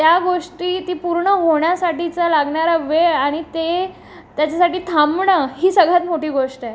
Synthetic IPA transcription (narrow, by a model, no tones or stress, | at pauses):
t̪jaɡoʂʈiːt̪iːpuɾɳəɦoɳjasaʈit͡salaɡɳaɾəʋeaɽ̃it̪e | t̪jat͡ɕasaʈiːt̪ʰamɳəɦiːsəɡɭat̪moʈiːɡoʂʈɛ